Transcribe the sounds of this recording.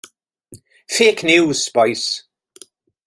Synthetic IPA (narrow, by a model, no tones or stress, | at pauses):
feːknjuːz̥pɔjs